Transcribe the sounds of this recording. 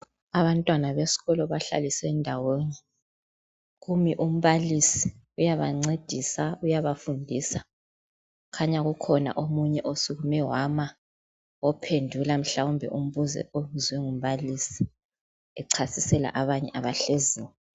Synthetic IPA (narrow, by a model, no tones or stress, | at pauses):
aβantʼwanaβesi̥ɣɔlɔβaɬa̰lisɛndʱawonɛ | ɣumiʔum̩βalisi̥ | ujaβaŋ͡ǀed̥ʱisaujaβafundʱisa | kʰaɲaɣukʰɔna̰ʔomuɲɛʔosuɣumɛwama | ɔpʰendʱulam̩ɬawumbʱɛ̰ʔum̩βuzɛ̰ʔomuzwɛŋum̩βalisi̥ | ɛǀʰasisɛla̰ʔaβaɲɛ̰ʔaβaɬeziːwɛ